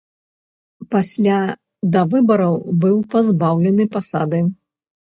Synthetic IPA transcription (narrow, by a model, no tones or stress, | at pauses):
pasʲlʲa | d̪ɐvɨbɐɾɐwbɨwpazbawlʲɛnɨpasa̰d̪ɨ